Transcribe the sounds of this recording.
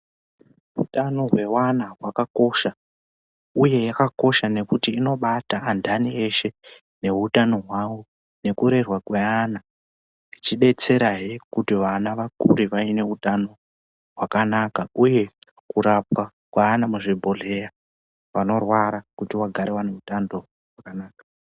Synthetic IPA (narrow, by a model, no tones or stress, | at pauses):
utano̞ɦwe̞wanaɦwakako̞ʃa | uje̞jakako̞ʃane̞kutiːno̞ɓataːndanie̞ʃe̞ | ne̞ɦutano̞ɦwaʋo̞ | ne̞kuɾe̞rwakweana | it͡ʃiɗe̞t͡se̞ɾaɦikutiʋanaʋakṵɾiʋaine̞utano̞ | ɦwakanakauje̞ | kuɾap̚wa | kwaːnamuʐibʱoɮe̞ja | ʋano̞rwaɾakutiwaɡʱaɾewaneutando̞ | ɦwakanaːkḁ